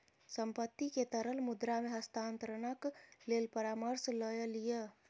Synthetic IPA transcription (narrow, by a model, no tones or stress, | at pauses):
səmpət̪ːiket̪əɾəlmud̪ɾameɦəst̪ʰant̪əɾənəklelpəɾaməɾsləjəlijə